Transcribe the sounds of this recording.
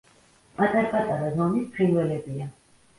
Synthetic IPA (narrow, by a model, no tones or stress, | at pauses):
pʼat̪ʼaɾapʼat̪ʼaɾazɔmispʰχinwɛlɛbia